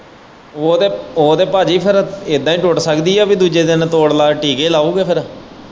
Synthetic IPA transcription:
oːd̪eːoːd̪eːpaːd͡ʒiːpʰɪɾɪd̪ãːĩːʈʊʈsəkd̪iːɛːbiːd̪uːd͡ʒeːd̪ɪnt̪oːɽlaːʈiːɡeːlaːuːɡeːpʰɪɾ

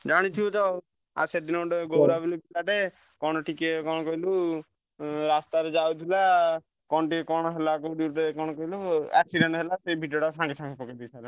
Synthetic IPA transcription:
d͡ʒaɽ̃it̪ʰiut̪ɔ | a̰sed̪inɔɖeɡowɾabilupilaʈe | kɔɽ̃ɔʈʰikekɔɽ̃ɔkɔɦilu | ɾast̪aɾed͡ʒawt̪ʰila | kɔnɔʈikɔɽ̃ɔɦelakɔɖiʈekɔɽ̃ɔkɔɦiluɛksiɾenɔɦelaseibʱiʈɔɽasãŋkisʰãŋkipɔkid̪it͡ʃʰaɾe

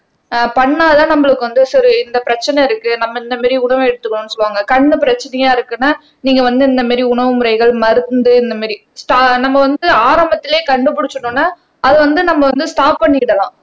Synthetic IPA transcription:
pɐɳːaːðt̪ãːnɐmːɐɭɯkːɯʋɐnd̪ɯsɐɾɪnd̪ɐpɪɾɐt͡ʃːɐnɐɪɾɯkːɯnɐmːɐɪnd̪ɐmaːɾiʊɳɐʋɐɛɽɯt̪ːɯkːɐɳʊnːɯsɔlʋaːŋɡɐkɐɳːɯpɪɾɐt͡ʃːɐnɐjaːɪɾɯkːɯnːaː | niːŋɡɐʋɐnd̪ɯɪnd̪ɐmaːɾiʊɳɐʋɯmʊɾɐɪɣɐɭmɐɾɯnd̪ɯɪnd̪ɐmaːɾi | sʈaːnɐmːɐʋɐnd̪ɯaːɾɐmbɐt̪ːɪleːkɐɳɖɯp̬ʊɽɪt͡ʃːɯnũːnːaː | ʔɐðɯʋɐnd̪ɯnɐmːɐʋɐnd̪ɯsʈaːpːɐɳːɪkːɪɽɐlãː

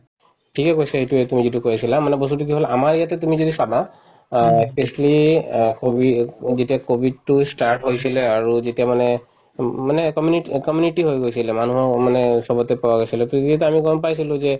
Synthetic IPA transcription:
tʰikɛkojsaetuetumizitukojisilamanɛbɔs̬tut̬uk̬iɦolaamaɹijatɛtumizodisaba | espeslikobizetiakobʱid̚tustaɹʈɦojsilɛaɹuzetijamanɛ | manɛkɔmjunikɔmjunitiɦojɡojsilɛmanuɦɔmanɛsɔbɔtɛpawaɡojsilɛtuiatɛamiɡɔnpajsilʊ̃zɛ

